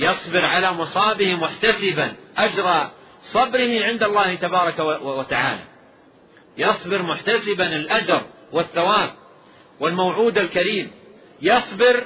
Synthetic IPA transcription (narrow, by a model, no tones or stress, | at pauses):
jɑsˤbɪɾʕalamʊsˤɑːbɪhmʊħt̪asɪbanʔad͡ʒɾˤɑ | sˤɑbɾɪhɪʕɪnd̪alˤːɑːht̪abɑːɾˤɑkawat̪aʕa̰ːla̰ | jɑsˤbɪɾmʊħt̪asɪbanɪlʔad͡ʒɑɾˤ | wɪθːawaːb̚ | wɪlmawʕuːd̪alkaɾiːm | jɑsˤbɪɾ